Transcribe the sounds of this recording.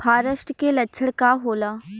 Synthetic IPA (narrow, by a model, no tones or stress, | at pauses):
pʰaːɾəʃʈkelɐtːʃʰəɽkaɦoːlaː